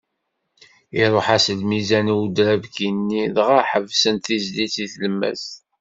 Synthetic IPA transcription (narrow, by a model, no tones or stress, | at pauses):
iɾˤoħæsəlmizæniud̪ɾævkinːiðʁaħəvsənt̪izliθiθləmːæ̰s